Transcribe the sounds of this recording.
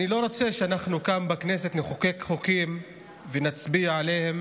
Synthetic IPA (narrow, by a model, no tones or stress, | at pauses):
nilo̞ʁo̞t͡se̞ʃeanaχnukambakne̞se̞t̪neχoke̞kχokim | venat͡sbiaʕale̞hem